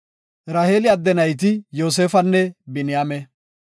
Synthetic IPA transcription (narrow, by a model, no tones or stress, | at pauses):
ɾaːheːlɪɐd̪ːɛnɐjt̪̬ɪjo̞ːs̬eːfɐnːɛbɪnɪjaːmɛ